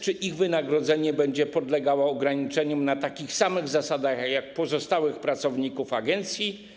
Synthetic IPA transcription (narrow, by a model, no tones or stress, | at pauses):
t͡ʂɘʔiɣvɘnaɡɾɔd̪zɛɲɛbɛɲd͡ʑɛpɔd̪lɛɡawɔɔɡɾaɲit͡ʂɛɲɔmnat̪akʲixsamɘɣzasad̪axjak̚pɔzɔst̪awɘxpɾat̪sɔvɲikufaɡɛnt̪sʲji